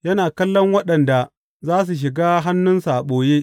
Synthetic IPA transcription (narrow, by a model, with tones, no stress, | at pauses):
jɐ˦naː˨kɐ˦lːɔ˦ŋwɐ˦ɗɐ˨nda˨ | zaː˦s̬u˨ʃ̬ɪ˨ɡaː˦ɦa˦nːʊ˦nsa˨ɓoː˨jeː˦ʔ